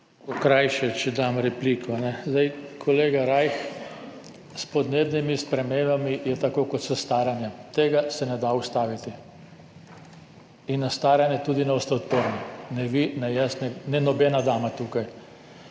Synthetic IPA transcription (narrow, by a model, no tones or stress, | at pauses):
okɾajʃɛt͡ʃɛd̪amɾɛpliːkʰɔnɛzd̪ajkʰɔleːɡaɾajx | spɔd̪neːbnimispɾɛmeːmbamijɛt̪akoːkɔt̪sɔst̪aːɾanjat̪eːɡasɛnɛd̪aust̪aːʋit̪i | inːast̪aːɾanjɛt̪uːd̪inɛɔst̪ɛɔt̪pəɾninɛʋinajɛsnɛnɛnɔbɛːnad̪aːmat̪uːkaj